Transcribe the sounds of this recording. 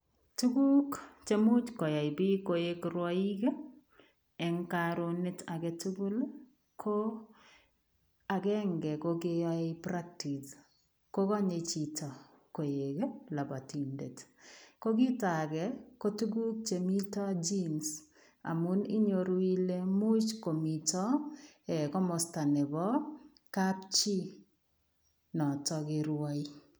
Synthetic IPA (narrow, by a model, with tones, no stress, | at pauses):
tu˦ɡu˦kt͡ʃe˦mu˦t͡ʃkɔ˨ja˨jbi˦koje˦kɾwa˦i˦ke˦ | ɛ˨ŋkaɾo˨ne˦ta˨kɛ˦tu˦ɡu˦l | kʰo˦ | a˨kɛ˦ŋɡɛ˨ko˦ɡeja˦pɾa˦k̚ti˨t | ko˦ka˦ɲe˨t͡ʃi˨ta˨ | ko˨je˨ke˦la˨ba˨ti˨ndḛ˨tko˦ɡɪ˦ta˨kɛ˨ko˦tu˦ɡu˦k̚t͡ʃe˨mi˦tɔ˦d͡ʒi˦ns | a̰˨mu˦nɪ˦ɲo˨ɾi˦le˦mʊ˦t͡ʃko˨mi˨tɔ˦ɛ˨kɔ˦mɔ˨sta˨nɛ˨bɔ˦ | kapt͡ʃi˦ | nɔ˨tɔ˦ɡɪ˨ɾwa˦i˦